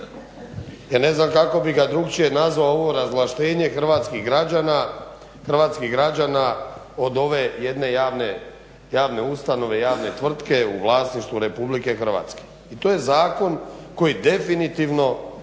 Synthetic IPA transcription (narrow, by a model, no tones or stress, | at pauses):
jaːne̞znamkako̞biɡad̪ɾukt͡ʃije̞nazʋaooʋo̞ɾazʋlˠaʃt̪e̞ːɲe̞xr̩ʋaːt̪skiɣɡaana | xr̩ʋaːt̪skiɣɡɾad͡ʑana | o̞d̪o̞ʋejed̪ne̞jaːʋne | jaːʋne̞ust̪ano̞ʋe̞jaːʋne̞t̪ʋr̩t̪ke̞uʋlˠaːsniʃt̪ʋuɾe̞publike̞xr̩ʋa̰ːt̪ske̥ | it̪oːje̞zaːko̞nko̞jid̪e̞finit̪iʋno̞